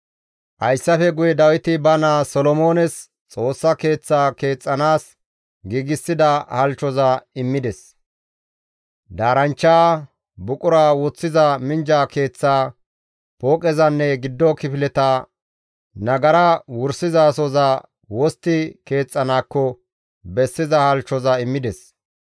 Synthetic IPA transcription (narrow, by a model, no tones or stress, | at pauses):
ʔɐjsːɐfɛɡʊjɛd̪ɐwɪt̪ɪbɐnaːsɔlɔmo̞ːnɛs | t͡sʼo̞ːsːɐke̞ːt͡sːaːke̞ːt͡sʼːɐnaːs | ɡiːɡɪsːɪd̪ɐhɐlt͡ʃːɔzɐɪmːɪd̪ɛs | d̪aːɾɐnt͡ʃːaː | bʊkʼʊɾaːwɔt͡sːɪzɐmɪnd͡ʒaːke̞ːt͡sːaː | poːkʼɛzɐnːɛɡɪd̪ːɔkɪpɪlɛt̪aː | nɐɡɐɾɐwʊɾsːɪzaːsɔza | wɔst̪ːɪke̞ːt͡sʼːɐnaːkːɔ | bɛsːɪzɐhɐlt͡ʃːɔzɐɪmːɪd̪ɛs